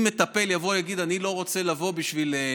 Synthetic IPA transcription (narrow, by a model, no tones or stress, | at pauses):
me̞t̪ape̞ljavo̞jaɡid̪anilo̞ʁo̞t͡se̞lavo̞biʃvile